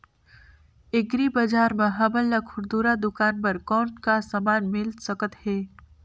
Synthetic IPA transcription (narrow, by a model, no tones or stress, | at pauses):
ɪɡɾibɐd͡ʒaːɾmẽɦɐməlːakʰʊɾd̪uːɾad̪ʊkaːnpɐɾkɔːnkasamaːnmɪlsəkət̪hɛː